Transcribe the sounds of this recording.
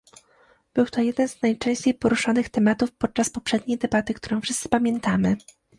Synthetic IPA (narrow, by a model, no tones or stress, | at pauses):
b̥ɘwt̪ɔjɛd̪ɛnznajt͡ʂɛ̃w̃ɕt͡ɕejpɔɾuʂanɘxt̪ɛmat̪ufpɔt̪̚t͡ʂaspɔpʂɛd̪̚ɲejd̪ɛbat̪ɘkt̪uɾɔ̃w̃fʂɘst̪sɘ̥pamʲjɛnt̪amɘ